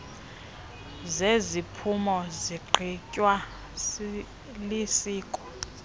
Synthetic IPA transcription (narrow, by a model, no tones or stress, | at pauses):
zezipʰumɔziɡ͡ǃʱʰicʼwa | lisiːkʼɔ̥